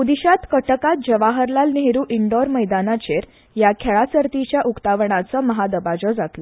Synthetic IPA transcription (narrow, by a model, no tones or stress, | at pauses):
ud̪iɕat̪kəʈəkat̪̚d͡ʑəʋaɦəɾlalneɦeɾuːʔiɳɖɔɾməjd̪anat͡ɕeɾ | jakʰɛɭasəɾt̪it͡ɕjaʔukt̪aʋɳat͡sɔməɦad̪əbad͡zɔd͡zat̪lɔ